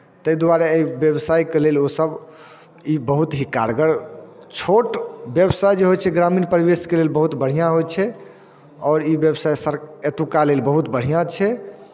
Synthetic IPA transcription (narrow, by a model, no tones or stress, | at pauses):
t̪əjd̪waɾeəibjəbsajkelelosəb | ibəɦut̪ɦikːa̰ɾɡəɽt͡ʃʰoʈbjəbsajd͡ʒeɦojt͡ʃʰɛɡɾaminpəɾbeskelelbəɦut̪bəɽ̤ijãɦojt͡ʃʰɛ | ɔːɾibjəbsajsəɾet̪ukalelbəɦut̪bəɽ̤ijãt͡ʃʰɛ